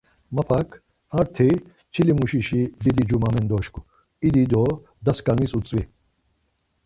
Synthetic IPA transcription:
mɐpʰakʰ | ɐɾt̪ʰi | t͡ʃʰilimuɕiʃid̪id̪id͡ʒumaːmend̪ɔːʃku̥ | id̪id̪ɔ | d̪ɐskaŋisut͡sʼʋi

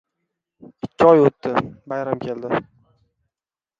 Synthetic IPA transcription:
ɪkʲʰːɪɒjot̪ːɪbajɾamkʲʰe̞ld̪ɪ

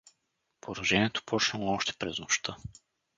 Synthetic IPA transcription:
poɾɐʒɛniɛt̪o̥pʰɔt͡ʃnɛlˠoɔʃt̪ɛ̥pɾɛznoʃt̪ʰɤ

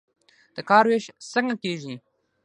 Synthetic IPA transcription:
d̪̥əkɑːɾweʃsəŋɡakeːʒi

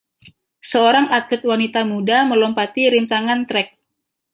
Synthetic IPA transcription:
səoɾaŋakʊt̪̚wanit̪amudaməlɔmpat̪iɾint̪aŋant̪ɾɛk̚

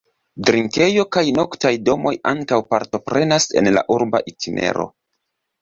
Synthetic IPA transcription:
dɾiŋke̞jo̞kajno̞ktajdo̞mo̞jaŋkawpaɾto̞pɾe̞nase̞̰nla̰ʔuɾba̰ʔitʰinʔe̞̰ɾo̞̰

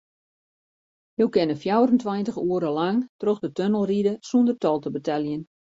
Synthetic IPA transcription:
juwkɪnəfjawrəntʋajntəxuəɾəlaŋtroxdətønəlˠridəsundərtɔlˠtəbətɛljən

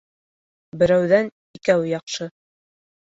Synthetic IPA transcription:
bɘ̆ɾæwðæn | ikæwjɑqʃɤ

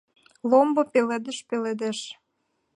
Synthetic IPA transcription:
lombopeled̪eʃpeled̪eʃ

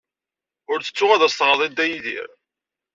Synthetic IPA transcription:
ʊɾθə̥t͡sːʊʁæðæst̪ʁəðˤid̪æjiðḭɾ

